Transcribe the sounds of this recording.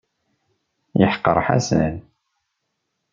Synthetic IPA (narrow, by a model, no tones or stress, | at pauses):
jəħqːə̰ɾˤħa̰sæl